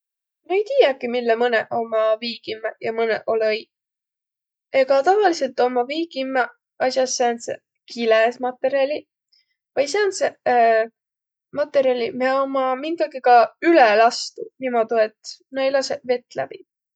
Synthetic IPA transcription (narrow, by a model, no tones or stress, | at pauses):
noejt̪iːjɑkimilːemɤnḛʔo̞mɑviːɡ̥imːejɑmɤnḛʔo̞loj | eɡ̥ɑt̪ɑvɑlise̞lt̪ːˑo̞mɑviːɡ̥imːe | ɑsʲjɑsːeːnsḛ | kʰilesmɑt̪ːˑe̞ɾiɑlʲi | vɑjs̬ense | mɑt̪ːˑe̞ɾiɑlʲimeomɑmiŋɡ̥ɑɡikɑylɛlɑst̪unimod̪uet̪nɑjlɑseve̞t̪ːˑlæb̥i